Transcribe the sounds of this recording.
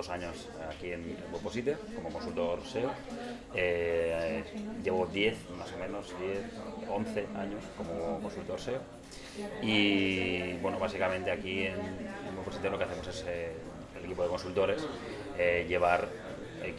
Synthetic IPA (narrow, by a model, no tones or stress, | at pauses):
osaɲos | akienelbwoposit̪eko̞mokonsult̪o̞ɾseo | e | ʎe̞βoðje̞θmaso̞mẽ̞nozðjeθonθe̞aɲo̞sko̞mokonsult̪o̞ɾseo | i | bwe̞noβ̞asikament̪e̞akienemwoposit̪elokeaθemoses | elekipoeko̞nsult̪o̞ɾes | eʎe̞β̞aɾ | ek